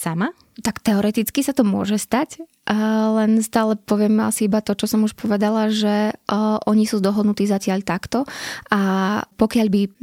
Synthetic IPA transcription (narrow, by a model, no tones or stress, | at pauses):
sama | t̪akt̪ɛɔɾɛt̪it͡skisat̪ɔmʊɔ̰ʒɛst̪ac | lɛnst̪aːlɛpɔʋɪɛma̰siibat̪ɔt͡ʃɔsɔmuʃpɔʋɛd̪alaʒɛʔɔɲisuːd̪ɔɦɔd̪nut̪iːzacɪaʎt̪akt̪ɔʔapɔkɪaʎbi